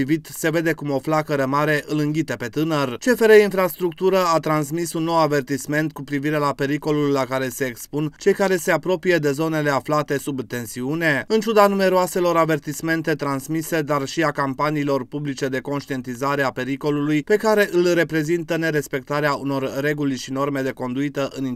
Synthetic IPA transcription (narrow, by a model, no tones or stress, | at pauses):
ivit̪se̞ve̞d̪e̞kumo̞flakəɾəmaɾe̞ʔɨlɨŋɡʲit̪epe̞t̪ɨnərt͡ʃe̞feɾeinfɾast̪ɾukt̪uɾəat̪ɾans̬misunːo̞wave̞rt̪isme̞nt̪̚kupɾiviɾe̞lape̞ɾiko̞lulːakaɾe̞se̞ːkspunt͡ʃe̞jkaɾe̞se̞apɾo̞pije̞d̪e̞zo̞ne̞le̞aflat̪e̞subt̪e̞nsiune̞ɨnt͡ʃud̪anume̞ɾoase̞lo̞ɾave̞rt̪isme̞nt̪e̞t̪ɾansmise̞d̪arʃiakampaniːlo̞rpublit͡ʃe̞d̪e̞ko̞nʃt̪ie̞nt̪izaɾe̞ape̞ɾiko̞lulujpe̞kaɾe̞ʔɨlre̞pɾe̞zint̪əne̞ɾe̞spe̞k̚t̪aɾeauno̞rːe̞ɡulʃino̞rme̞d̪e̞ko̞nd̪uit̪əʔɨni